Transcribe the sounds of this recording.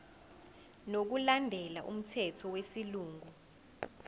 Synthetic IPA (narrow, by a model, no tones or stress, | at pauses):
nok̬ulandʱɛlaʔṵm̩tʰɛtʰɔwesiluːŋʱu